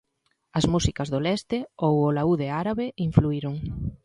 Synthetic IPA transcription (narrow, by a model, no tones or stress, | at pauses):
ɐzmusikɐzðolɛst̪ɪowolauðeaɾaβeiɱfluiɾʊŋ